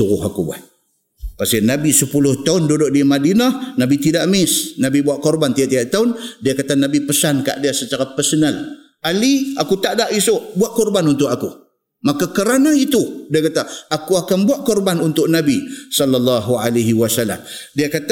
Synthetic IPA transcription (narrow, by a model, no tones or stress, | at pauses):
uɣʊɦakubua̰t̪̚ | pasinabisəpulʊht̪aʊndodoʔdimadinahnabit̪̬idaʔmɪsnabibuaʔkɔrbant̪idaʔt̪idaʔt̪aʊndiakat̪anabipəsanka̰ʔdiasət͡ʃaɾapərsɔnal | aliakut̪aʔdaʔisʊʔbuaʔ̪̚kɔrbanunt̪̬ʊʔaku | makakəɾanait̪udiakat̪aakuakanbuaʔ̪̚kɔrbanunt̪ʊʔ̚nabisɔlːalːɑɦualaɦiwasalːa̰mdiakat̪